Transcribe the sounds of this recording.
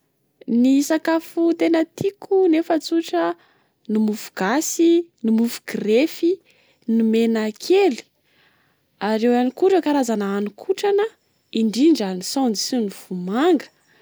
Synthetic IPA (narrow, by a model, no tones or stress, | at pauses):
nisakafut̪enət̪ikʰunefət͡suʈ͡ʂə | nimufu̥ɡ̥asinimufu̥ɡrefi | nimenakʰeli̥ | aɾewanikuʈ͡ʂəkaɾazanaanukʰuʈ͡ʂanə | iɳɖ͡ʐiɳɖ͡ʐanisɔ̃nd͡zisiniv̥umaŋɡə̥